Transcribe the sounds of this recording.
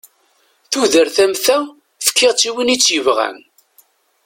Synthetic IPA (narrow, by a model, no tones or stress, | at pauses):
θuðəɾθæmθæw | fə̥kːɪʁt͡sːiwinit͡sːjəvʁæ̰n